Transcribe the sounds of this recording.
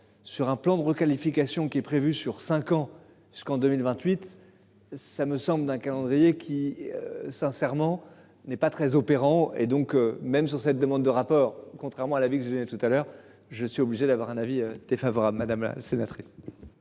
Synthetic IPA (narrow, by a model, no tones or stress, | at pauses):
syʁɛ̃plɑ̃d̪əʁəkalifikasjɔ̃kʲiɛpχevysyʁsɛ̃kɑ̃ | pyskɑ̃d̪əmilvɛ̃t̪ɥit̪ | saməsɑ̃bld̪ɛ̃kalɑ̃d̪ʁijekʲʰiø̰sɛ̃sɛʁmɑ̃ | nɛpat̪χɛzopeʁɑ̃ḛd̪ɔ̃kømɛmsyʁsɛt̪̚d̪əmɑ̃d̪ːəʁapɔːʁkɔ̃t̪χɛʁmɑ̃alavikəʒəd̪ənɛt̪ut̪alœʁ | ʒəsɥiobliʒed̪avwaʁɛ̃naviød̪̥efavɔʁablmad̪amla̰senat̪χis